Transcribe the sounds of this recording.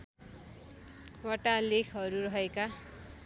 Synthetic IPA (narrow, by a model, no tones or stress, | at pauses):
wʌʈalekʰɦʌɾuɾʌɦeka